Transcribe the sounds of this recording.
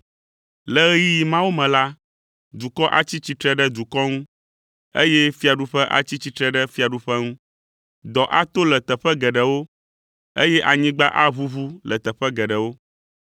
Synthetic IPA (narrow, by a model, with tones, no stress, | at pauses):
lɛ˨ɣɛ˦ji˦ji˨mã˦wo˦mɛ̃˨la˦ | d̪u˨kɔ˦ʔa̰˨t͡ɕi˦t͡ɕi˦t̪ɾɛ˦ɖɛ˦d̪u˨kɔ˦ŋũ˦ | ḛ˦jɛ˦fi˦a˨ɖu˦ɸɛ˦ʔa̰˨t͡ɕi˦t͡ɕi˦t̪ɾɛ˦ɖɛ˦fi˦a˨ɖu˦ɸɛ˦ŋũ˦ | d̪ɔ˨ʔa˦t̪o˦lɛ˨t̪ɛ˨ɸɛ˦ɡɛ˨ɖɛ˨wo˦ | e˦jɛ˦ʔa˨ɲĩ˦ɡ͡ba˦ʔa˦βu˦βu˦lɛ˨t̪ɛ˨ɸɛ˦ɡɛ˨ɖɛ˨wo˦